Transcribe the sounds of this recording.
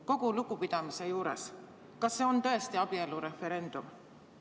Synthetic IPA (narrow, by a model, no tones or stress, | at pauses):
ko̞ɡ̥ulukupid̪̥ɑmise̞juːɾe̞̰s | kɑsːe̞o̞nt̪ɤe̞st̪iɑb̥ie̞luɾe̞fe̞ɾe̞nd̪̥um